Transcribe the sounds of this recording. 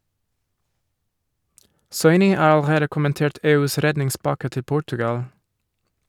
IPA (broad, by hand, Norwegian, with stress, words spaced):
ˈsɔʏnɪ ˈɑː ɑlˈɾeːdə kʊmənˈteːʈ ˈeːˌʉːs ˈɾɛdnɪŋˌspɑkə ˈtɪ ˈpʊʈʉɡɑl